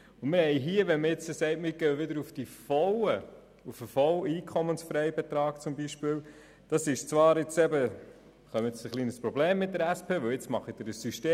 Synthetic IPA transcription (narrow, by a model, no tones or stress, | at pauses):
ʊmɪhɛɪjɦiəʋɛnməɪt͡səsɛɪtmɪɡ̥œːəʋɪd̪əɾufd̥ifɔwə | ufəfɔwiːkʰχɔmənsfɾɛjbɛt̪ɾɑːkt͡sʊmbiʃpɪːw | d̥ɑsɪʃt͡sʋɑːɾɪt͡sɛbə | χœməɪt͡səχliːnəspɾɔbleːmːɪt̚d̪əɾæspʰeːʋœwɪt͡smɑχid̥̪əɾdəssyʃteː